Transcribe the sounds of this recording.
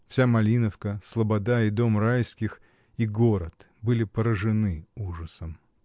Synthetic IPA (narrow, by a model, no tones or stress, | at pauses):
fsʲamɐlʲinəfkəslˠəbɐd̪aid̪o̞mrajskʲɪx | iɡo̞ɾət̪ | bɨlʲɪpəɾəʐɨnɨuʐəsəm